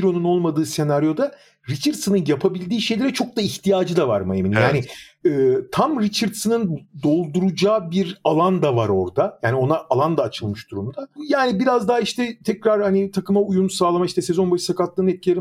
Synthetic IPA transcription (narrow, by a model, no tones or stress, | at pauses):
iɾo̞nuno̞lˠmad̪ɯːse̞naɾjo̞d̪a | ɾit͡ʃʰaɾd̪sɯnɯnjapʰabilʲd̪iːʃe̞jlʲeɾɛt͡ʃʰo̞k̚d̪aiçt̪ʰijaːd͡ʒɯd̪ava̰ɾmaeminimjaːniɯːt̪ʰamɾit͡ʃʰaɾd̪sɯnɯnd̪o̞lˠd̪uɾud͡ʒaːbiɾalˠand̪avaɾo̞ɾd̪ajaːnio̞naʔalˠand̪aːt͡ʃʰɯlˠmɯʃd̪uɾumd̪ajaːnibiɾazd̪aɦaiʃt̪ɛt̪ʰɛcɾaɾhanit̪ʰakɯmaujunsaːlˠamaiʃt̪ɛsezo̞nbaʃsakat̪lˠɯːnɛt̪̚cʰieɾim